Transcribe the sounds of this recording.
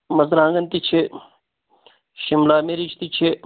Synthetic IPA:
mɐzɾãːŋɡɐnt̪it͡ʃʰe | ʃimlaːmeɾit͡ʃʰt̪it͡ʃʰe

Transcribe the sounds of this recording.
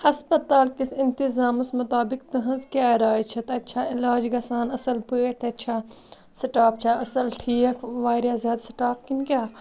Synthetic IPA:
hɐspɐt̪aːlkisɪnt̪izaːmɐsmɐt̪aːbɪkt̪ɨɦɐ̃nzkʲjaːɾaːjt͡ʃʰɐt̪ɐtːt͡ʃʰaːɪlaːd͡ʒɡɐsaːnɐsɐlpeːʈ̚t̪ʰɐtːt͡ʃʰaː | sɐʈaːp̚t͡ʃʰaɐsɐlʈʰiːɐkʰʋaːɾjaːzjaːd̪sɪ̥ʈaːkkinkʲaː

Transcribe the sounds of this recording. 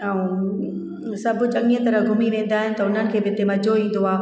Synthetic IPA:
ã | sɐbʱʊt͡ɕɐ̃ŋniə̃t̪ɐɾəɡʱʊmiʋẽːnd̪aːɦɪnɪt̪ɐʊn̤ənɪ̆kʰeːbɪt̪emɐd͡ʑʱoĩːn̆d̪oaː

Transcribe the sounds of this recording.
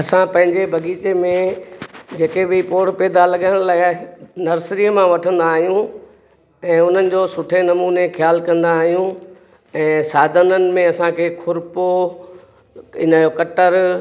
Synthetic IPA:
ɐsãpɐ̃ɦɪ̃ɲd͡ʑebʱɐɡiːt͡ɕemẽ | d͡ʑeːkebɪpoːɽpɛːd̪alɐɠaːɪ̃ɽ̃laːɪnɐɾsɾiːəmãʋɐʈʰə̃nd̪aːɦijũ | ɛ̃ːʊn̤ənɪ̆d͡ʑoːsʊʈʰenɐmuːnexʰjaːlkɐ̃nd̪aːɦijũ | ɛ̃ːsaːd̪ʱənənɪ̆mẽɐsãkʰeːkʰʊɾpo | ɪnəokɐʈəɾ

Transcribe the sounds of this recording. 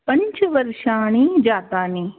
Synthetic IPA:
pɐɲt͡ʃʋɐɾʃaːñiːd͡ʒaːt̪aːniː

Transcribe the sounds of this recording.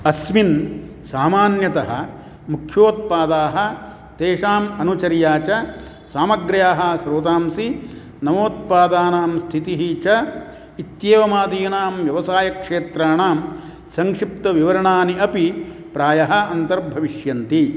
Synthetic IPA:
ɐsmin | saːmaːnjɐt̪ɐɦɐ̰̆ | mukʰjoːt̪̚paːd̪aːɦɐ̆ | t̪eːʂaːmɐnut͡ʃɐɾjaːt͡ʃɐ | saːmɐɡɾjaːɦɐsɾoːt̪aːmsi | nɐmoːt̪̚paːd̪aːnaːmst̪ʰit̪iɦit͡ʃɐ | it̪jeːʋɐmaːd̪iːnaːmʋjɐʋɐsaːjɐkʂeːt̪ɾaːɳaːm | sɐŋkʂip̚t̪ɐʋiʋɐɾɐɳaːniʔɐpipɾaːjɐɦɐɐnt̪ɐɾbʱɐʋiʂjɐnt̪i

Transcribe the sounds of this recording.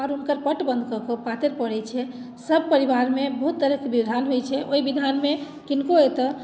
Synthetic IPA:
aɾunkəɾpəʈbə̃nd̪̚ʱkɔkəpat̪eɾpəɽɛt͡ʃʰɛ | səbʱpəɾiβaɾmebəɦut̪ːəɾəkbibd̪ʱanɦojt͡ʃʰɛʔoibid̪ʱanme | kinkoet̪ə

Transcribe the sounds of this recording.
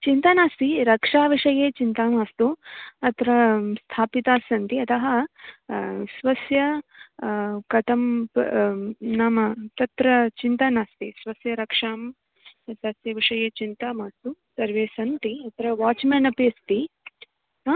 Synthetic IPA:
t͡ʃint̪anaːst̪iɾɐkʂaːʋiʂɐjeːt͡ʃint̪aːmaːst̪uɐt̪ɾɐst̪ʰaːpit̪aːsɐnt̪iɐt̪ɐɦɐ | sʋɐsjɐ | kɐt̪ɐmp | naːmɐt̪ɐt̪ɾɐt͡ʃint̪anaːst̪isʋɐsjɐɾɐkʂaːm | sɐsjɐʋiʂɐjeːt͡ʃint̪aːmaːst̪usɐɾʋeːsɐnt̪iɐt̪ɾɐʋaːt͡ʃmeːnɐpeːst̪i

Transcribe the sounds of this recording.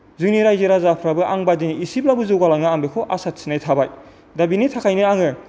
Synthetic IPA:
zɯŋniɾajzeɾazapʰɾabɯʔaŋbadiniisip̚labɯzɯwɡalaŋɯambekʰɔʔasat̚sinajtʰabaj | dabinitʰakʰajnɯaŋɯ

